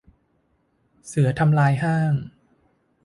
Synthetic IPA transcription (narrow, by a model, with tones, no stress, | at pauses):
sɯ˩˦ɐt̪ʰa˧mlaː˧jɦaː˥˩ŋ